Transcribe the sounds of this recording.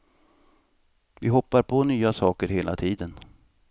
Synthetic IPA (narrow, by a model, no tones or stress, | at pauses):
vɪɦɔpːaɾpʰɔnyːasɑːkəɾɦeːla̰t̪ʰiːd̪ən